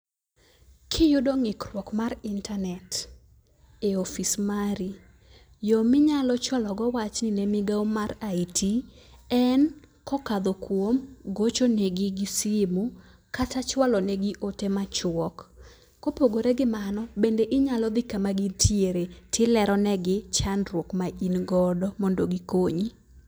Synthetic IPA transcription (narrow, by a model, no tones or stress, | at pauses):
kʰɪjʊdoŋɪkrwɔkmaɾɪntʰanɛt | eofismaɾi | jomɪɲalɔt͡ʃwalɔɡɔwat͡ʃnɪnɛmɪɡaomaɾaitʰiɛn | kɔkad̪ɔkwomɡot͡ʃonɛɡɪɡɪsɪmu | katat͡ʃwalɔnɛɡiʔotemat͡ʃɔkː | opoɡoɾeɡɪmanɔbendeʔɪɲalɔd̪ɪkamaɡintʰjeɾetʰɪlɛɾɔnɛɡɪt͡ʃanɾwokmaʔinɡɔdɔmondoɡikoɲi